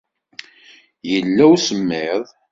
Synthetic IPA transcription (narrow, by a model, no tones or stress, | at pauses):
jəlːæwsəmːɪðˤ